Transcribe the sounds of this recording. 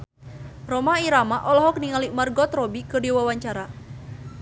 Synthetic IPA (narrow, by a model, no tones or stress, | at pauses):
rɔmaiɾamaʔɔlɔɦɔk̚niŋalimarɡɔt̪rɔbikɨrdiwawaɲt͡ʃaɾa